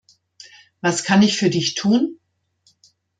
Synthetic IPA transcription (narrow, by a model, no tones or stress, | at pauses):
vaskʰanɪçfyːɐdɪçtʰuːn